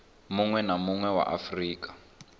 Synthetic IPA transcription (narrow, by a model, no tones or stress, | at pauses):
muŋwɛnamuŋwɛwa̰ʔa̰friːkḁ